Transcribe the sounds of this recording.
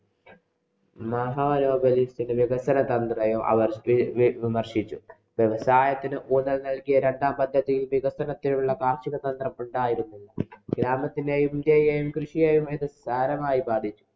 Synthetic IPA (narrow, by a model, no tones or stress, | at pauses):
mɐɦɐʋɐnoːbɐlist̪inɨʋiɡɐsɐnɐt̪ɐnd̪rɐjumʔɐ̰ʋɐrʋimɐrʂit͡ɕːu | ʋjeʋɐsaːjɐt̪ːinɨʔuːnːɐlnɐɭkijɐɾe̞ɳɖaːmpɐd̪ʱjɐðijilʋiɡɐsɐnɐt̪ːinuɭːɐkaːrʂiɣɐt̪ɐnd̪rɐmuɳɖaːjiɾunːuɭːɐɡ̥ɾaːmɐt̪ːinejumd̪ejɐjumkrɨʂijɐjumeðɨsaːɾɐmaːjibaːd̪ʱit͡ɕːu̥